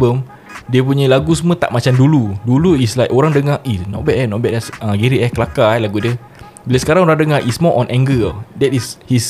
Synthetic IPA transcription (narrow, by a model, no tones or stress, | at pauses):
bəm | diəp̬uɲə̃laɡusəmə̃t̪a̰ʔmat͡ʃamduluduluislajkʔoɾaŋdəŋaʔinɔ̰t̚bɛʔɛnɔʔ̚bɛʔasə̃ɡeɾiʔɛkəlakaɛlaɡudə | bilasə̥kaɾaŋoɾaŋdəŋaɾʔismɔʔɔ̃nʔɛ̃ŋɡədɛt̚ishis